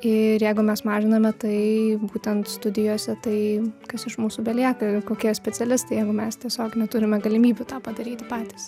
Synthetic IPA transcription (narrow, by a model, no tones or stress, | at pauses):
ɪɾjɛɪɡʊmʲɛsmɑːʒʲɪnɐmʲɛt̪ɐɪbuːt̪ʲɛnt̪st̪ʊd̪ʲɪjoːsʲɛt̪ɐɪkɐsɪʃmuːsʊbʲɛlʲiɛkɐkoːkʲiɛsʲpʲɛt͡sʲɛlʲɪst̪ɐɪjɛɪɡʊmʲɛst̪ʲiɛsʲoːknʲɛt̪ʊɾʲɪmʲɛɡɐlʲɪmʲiːbʲʊt̪ɑːpɐd̪ɐɾʲiːt̪ʲɪpɑːt̪ʲiːs